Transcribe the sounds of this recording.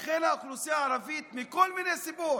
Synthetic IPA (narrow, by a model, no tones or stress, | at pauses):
xelaxlusijaʕaɾavit̪mikolminesibuɾ